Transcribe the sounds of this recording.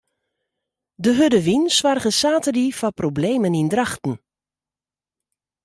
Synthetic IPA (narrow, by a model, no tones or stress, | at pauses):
dəɦødəʋinsʋarɣəsaːtərifaproblejmənindrɑχtn̩